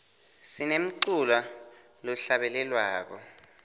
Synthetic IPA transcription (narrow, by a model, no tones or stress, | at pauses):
sinem̩ǀula | lɔɬaɓɛlɛlwaːk̬ɔ